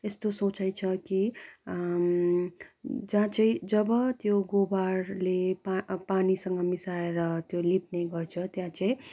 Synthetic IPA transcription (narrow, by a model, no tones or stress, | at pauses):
est̪osot͡sajt͡sʰʌki | d͡zãt͡sãĩd͡zʌbʌt̪joɡobarlepapanisʌŋɡʌmisaeɾʌt̪jolip̚neɡʌrt͡sʰʌt̪jãt͡sãĩ